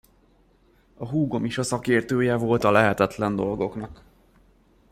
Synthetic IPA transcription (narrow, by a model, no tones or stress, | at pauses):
ɒɦuːɡo̞miʃɒsɒkeːrt̪øːjɛvo̞lt̪ɒlɛɦɛt̪ɛt̪lɛnd̪o̞lɡo̞knɒk